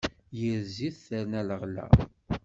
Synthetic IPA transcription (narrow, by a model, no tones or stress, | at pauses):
jəɾziθθəɾnæləʁlæ̰